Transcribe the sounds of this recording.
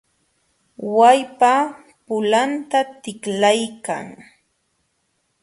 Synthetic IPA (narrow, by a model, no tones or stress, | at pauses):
wajpa | pʊlant̪at̪ɪklajka̰ŋ